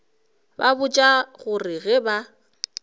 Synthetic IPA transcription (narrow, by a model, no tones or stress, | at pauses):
babʊt͡ʃʼaɣʊrɪɣɪba